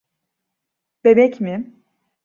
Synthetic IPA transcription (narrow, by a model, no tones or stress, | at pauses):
b̥ebɛcmɪ